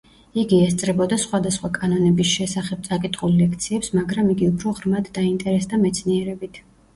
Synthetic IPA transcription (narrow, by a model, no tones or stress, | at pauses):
iɡiɛst̪sʼɾɛbɔd̪asχwad̪asχwakʼanɔnɛbisʃɛsaχɛb̚t̪sʼakʼit̪ʼχʼulːɛkʰt̪sʰiɛpsmaɡɾamiɡiupʰɾɔʁɾmad̪ːaint̪ʼɛɾɛsd̪amɛt̪sʰniɛɾɛbit̪ʰ